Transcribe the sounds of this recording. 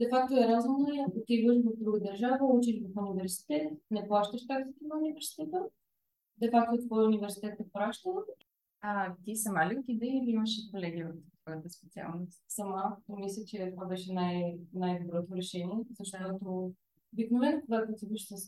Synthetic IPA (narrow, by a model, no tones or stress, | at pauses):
d̪̥ɛfak̚t̪oɛɾazumnəjaɡot̪ivəʃvəfd̪ɾuɡəd̪əɾʒavəut͡ʃiʃvɐfunivɛɾsi̥t̪ɛt̪nɛplˠaʃt̪əʃt̪akzit̪inəunivɛɾsi̥t̪ɛt̪ə | d̪ɛfak̚t̪ot̪vɔjunivɛɾsi̥t̪ɛt̪ɛpɾaʃt̪əv | ɐt̪isɐmalʲik̪id̪ɛiliiməʃɛkolɛɡ̟ʲiot̪t̪vɔjət̪əspɛt̪sia̰lˠnossɐmaomislʲət͡ʃɛt̪ovabɛʃɛnajnajd̪obɾɔt̪oɾɛʃɛniɛzɐʃt̪ot̪o | obiknovɛnkoɡat̪ot̪iviʃsəs